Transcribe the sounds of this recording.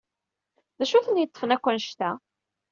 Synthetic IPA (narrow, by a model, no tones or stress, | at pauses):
ðæʃuθənjət̪ˤːə̥fənækʷːænʃt̪æ